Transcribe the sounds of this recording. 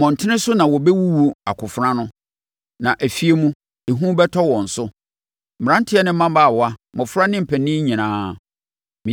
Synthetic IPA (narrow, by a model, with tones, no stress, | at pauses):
mɔ̃˨n̩˨tʰɪ˦nɪ̃˦sʊ˦nã˨wɔ˨bɛ˦wu˦wu˦a˨kʰʊ˨fɾã˦nʊ̃˦ | nã˨ʔæ˨fi˦e˦mũ˦ | e˨ɦũ˦bɛ˦tʰɔ˦wɔ̃˨n̩˨sʊ˦ | m̩˨m˨ã˦n˦tʰɪ˦ɛ˦nɪ̃˦m̩˦ã˦m˦ba˦˨wa˦mɔ̃˨fɾa˦nɪ̃˦m̩˨pʰæ˨nĩ˦ɲĩ˨nãː˦ | mĩ˨